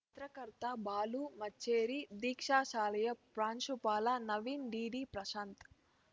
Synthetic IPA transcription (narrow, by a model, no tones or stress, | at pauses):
t̪ɾɐkɐɾt̪abaːlumɐt͡ʃːeːɾid̪iːkʂaːʃaːlɐjɐpɾaːnʃupaːlɐnɐʋiːnɖiːɖiːpɾɐʃaːnt̪